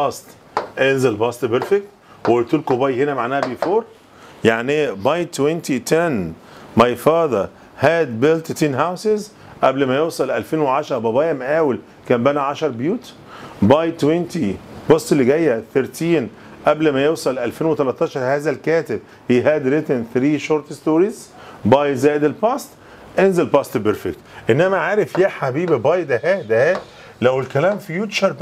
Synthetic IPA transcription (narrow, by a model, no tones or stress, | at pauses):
bɑst̪ | ʔenzelbɑst̪beɾfek̚t̪ | wet̪uːlkobɑjhenæmaʕnæːhæbifoːɾˤ | jaʕnibɑjt̪ːwent̪it̪ʰen | mɑjfɑːd̪ˤɑ | hæːd̪belt̪t̪iːnɦawsez | ʔæblmæjewsˤɑlʔælfeːnweʕɑʃɑɾˤbɑbɑːjæmʔæːwel | kæːmbænæʕaʃɑɾˤbjuːt̪ | bɑjt̪ːwent̪ibosˤːelːiɡæjːæθeɾt̪ʰiːn | ʔæblmæjewsˤɑlʔælfeːnwet̪ɑlɑt̪ˤːɑːʃɑɾˤhæːzælkæːt̪ɪb | hiɦæːd̪ɾet̪enθɾiːʃoɾt̪st̪oːɾiz | bɑjzæːjed̪elpɑːst̪ | ʔenzelpɑst̪beɾfekt̪ʔenːæmæʕaːɾefjæħabiːbibɑjd̪æhæd̪æhæ | læwelkælæːmfijuːt͡ʃɑɾˤ